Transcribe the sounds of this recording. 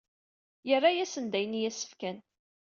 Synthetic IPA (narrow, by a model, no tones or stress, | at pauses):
jərːajæsənd̪æjənijæsə̥fkæn